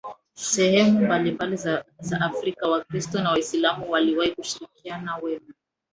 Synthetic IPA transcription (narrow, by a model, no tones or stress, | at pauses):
sɛhɛmumbalimbalizaʔafɾikawakɾistɔnawaislamuwaliwahikuʃiɾikianawɛma